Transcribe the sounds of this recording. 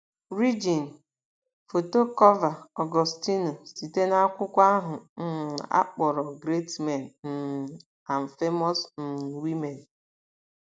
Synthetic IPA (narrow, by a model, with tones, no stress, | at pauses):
ɾi˦d͡ʒi˨n̩˨ | fo˨to˦kɔ˦va˨ɔ˨ɡɔ˨sti˦no˨si˨te˦na˦kʷʊ˦kʷa˦ɦʊ˨n̩˦˨a̰˦k͡pɔ˨ɾɔ˨ɡɾe˦tme˨n̩˨n̩˨ | a˨n̩˨fe˦mɔ˦sn̩˨wi˦me˨n˨